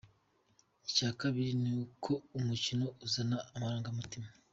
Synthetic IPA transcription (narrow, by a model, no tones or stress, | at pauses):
icaːkaβiɾinikʰo̞umucino̞uzanaːmaɾaːŋɡamutima